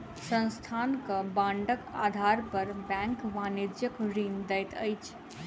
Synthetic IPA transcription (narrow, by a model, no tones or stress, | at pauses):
sə̃nst̪ʰaːnkabãːɳɖəka̰ːd̪ʱaːɾpɐɾbɛ̃ːŋkʋaːnid͡ʒjəkɾiːnd̪ɛjt̪ə̰jt͡ʃʰ